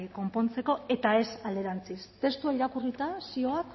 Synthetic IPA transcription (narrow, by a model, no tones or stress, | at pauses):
ko̞mpo̞nt͡se̞ko̞e̞t̪ae̞sald̪eɾant͡sist̪e̞st̪uaiɾakurit̪asio̞ak